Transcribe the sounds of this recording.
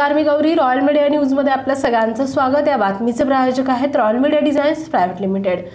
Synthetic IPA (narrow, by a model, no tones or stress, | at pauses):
kaɾmiɡəwɾiːɾɔjəlmeɽjañjud͡zməd̪ʱːjeapljasəɡɭant͡səsʋaɡət̪jaʋat̪mit͡sepɾajod͡ʑəkaɦet̪ɾɔjəlmeɽijaɖid͡zajnspɾajʋeʈlimiʈeɽ